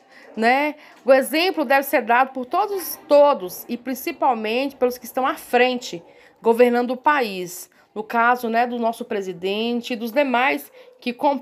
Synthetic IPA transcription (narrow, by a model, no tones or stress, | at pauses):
nɛ | ʊezẽmplʊd̪ɛvɪseɾd̪ad̪ʊpʊɾt̪od̪ʊst̪od̪ʊsɪpɾĩsipawmẽt͡ʃɪ̥pelʊskɪst̪ɐ̃w̃afɾẽnt͡ʃɪ | ɡoveɾnɐ̃nd̪ʊpais | nʊkazʊnɛd̪ʊnɔsʊpɾezid̪ẽt͡ʃɪːd̪ʊzd̪emajskɪkõ